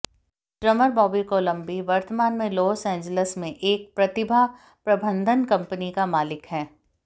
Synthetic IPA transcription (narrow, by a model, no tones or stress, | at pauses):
ʈɾɐməɾbɔːbikoːlɐ̃mbiʋɐɾt̪əmaːnmẽlɔːsɛ̃ːɲd͡ʒələsmẽʔeːk̚pɾɐt̪ɪbʱa | pɾɐbʱə̃nd̪ʱənkɐ̃mpənikamaːlɪkɦɛː